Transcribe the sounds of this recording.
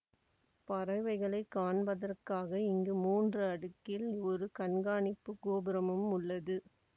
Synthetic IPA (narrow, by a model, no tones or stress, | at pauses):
pɐɾɐɪʋɐɪɣɐɭɐɪkːaːɳbɐðɐrkaːɣɐɪŋɡɯmuːndrɯɐɽɯkːɪlɔɾɯkɐɳɡaːɳɪpːɯkoːbɪɾɐmɯmʊɭːɐðɯ